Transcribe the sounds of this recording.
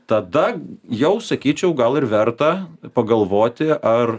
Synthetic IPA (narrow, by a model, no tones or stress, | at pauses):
t̪ɐd̪ɐjɛʊsɐkʲiːt͡ʃʲɛʊɡɐlˠɪrʋʲɛrt̪ɐpɐɡɐlˠʋoːt̪ʲɪʔɐr